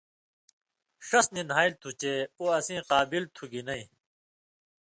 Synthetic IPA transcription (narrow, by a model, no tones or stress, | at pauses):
ʂɐsninɦaːilt̪ʰut͡ɕeoːɐsĩːqaːbilt̪ʰuɡinɐĩ